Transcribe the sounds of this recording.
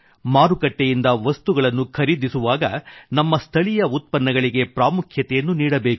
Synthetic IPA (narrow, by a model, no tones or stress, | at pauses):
maːɾukɐʈːejind̪ɐʋɐst̪uɡɐɭɐnːukʰɐɾid̪isuʋaːɡɐnɐmːɐst̪ʰɐɭijɐut̪̚pɐnːɐɡɐɭiɡe̞pɾaːmukʰjɐt̪ɛjɐnːuniːɽɐbeːku̥